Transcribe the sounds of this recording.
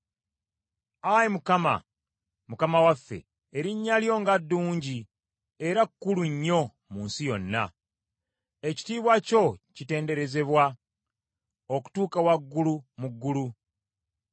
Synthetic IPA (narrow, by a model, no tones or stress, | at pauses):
ajemukama̰ | mukamawafːe̞̰ː | ɾiɲːaljo̞ŋɡadːuːɲɟi | e̞ɾakːuluɲːo̞ | muːnsijo̞nːa̰ | e̞ci̥tiːβwaco̞cite̞ːnde̞ɾe̞ze̞βwa | o̞ku̥tuːkawaɡːulumuɡːulu